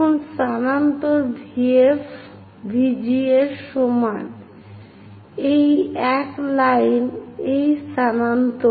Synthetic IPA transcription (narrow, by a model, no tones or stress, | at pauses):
onʃanant̪oɾdʱief | bʱid͡ʑieɾʃɔma | ejɛklajnejsanant̪o